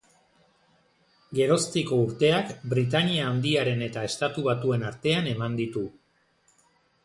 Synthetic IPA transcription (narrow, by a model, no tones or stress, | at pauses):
ɡe̞ɾo̞st̪iko̞uɾt̪e̞akbɾit̪aniaːnd̪iaɾe̞ne̞t̪ae̞st̪at̪uβ̞at̪ue̞naɾt̪e̞ane̞mand̪it̪u